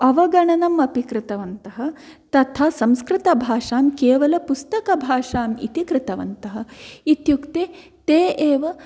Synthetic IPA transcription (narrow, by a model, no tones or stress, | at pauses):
ɐʋɐɡɐɳɐnɐmɐpikɾɪt̪ɐʋɐnt̪ɐɦɐ̆ | t̪ɐt̪ʰaːsɐmskɾɪt̪ɐbʱaːʂaːmkeːʋɐlɐpust̪ɐkɐbʱaːʂaːmḭt̪ikɾɪt̪ɐʋɐ̰nt̪ɐɦɐ̆it̪jukt̪eː | t̪eːʔeːʋɐ